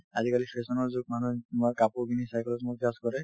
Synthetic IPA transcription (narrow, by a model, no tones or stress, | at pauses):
azikalipʰesɔnɔɹzʊɡ̚manutʊmaɹkapuɹkʰinisajkɛlɔtmʊtaskɔɹɛ